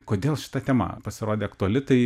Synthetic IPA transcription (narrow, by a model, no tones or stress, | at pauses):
koːd̪ʲeːlˠʃʲɪ̥t̪ɐt̪ʲɛːmɐ̰pɐsʲɪɾoːd̪ʲeːɐkt̪ʊɔɐlʲɪt̪ɐɪ